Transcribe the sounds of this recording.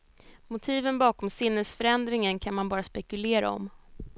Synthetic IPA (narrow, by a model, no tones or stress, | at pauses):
mʊt̪ʰiːvənbɑːkɔmsɪnːəlsfœɾɛnd̪ɾɪŋənkʰanmanbɑːɾaspɛkɵleːɾa̰ɔ̰m